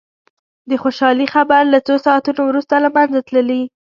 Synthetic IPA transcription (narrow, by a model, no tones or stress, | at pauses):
d̪əxoʃɑlixabaɾlat͡sosɑat̪unowɾust̪alamanzat̪ləli